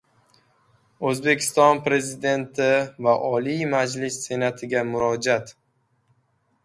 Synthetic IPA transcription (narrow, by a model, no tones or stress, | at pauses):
ɵzbe̞kʲʰɪ̥st̪ɒnpɾe̞zɪd̪e̞nt̪ʰɪvaʔɒlimad͡ʒlɪsːe̞nat̪ʰɪɡʲamʊɾɒd͡ʒat̪